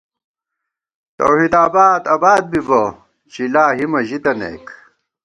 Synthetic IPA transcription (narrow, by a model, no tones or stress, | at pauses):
t̪ɐ̰whiːd̪aːbaːd̪ɐbaːd̪̚bibɐ | t͡ɕilaːɦimɐʑid̪ɐnḛːk